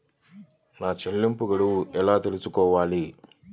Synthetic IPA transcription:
naːt͡ʃelːimpuɡɐɽuʔɛlaːt̪e̞lusukɔːʋaːli

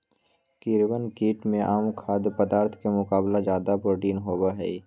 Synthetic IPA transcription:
kiɾwənkiːʈmẽʔaːmkʰaːd̪pəd̪aːɾt̪ʰkemʊkaːblazjaːd̪apɾoːʈiːnɦoːbaɦɛː

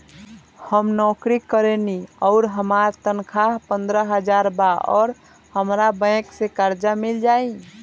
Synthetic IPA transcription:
həmnɔkɾikəɾeniɔʊɾɦəmaɾt̪ənkʰaɦpənd̪ɾəɦəd͡ʒaɾbaɔ̰ːɾ | həmɾabə̃ksekaɾd͡ʒamild͡ʒai

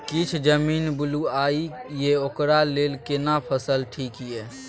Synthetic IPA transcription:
kit͡ʃʰd͡ʒəmiːnbʊluaijeokɾaleːlkenapʰəsəlʈʰiːkɦijɛ

